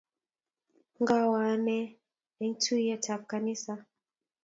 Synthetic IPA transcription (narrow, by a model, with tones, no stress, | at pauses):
ŋɡa˦wa˨nɛ˦ | ɛ˨ŋtʰu˦jɛ˦tʰafkanisa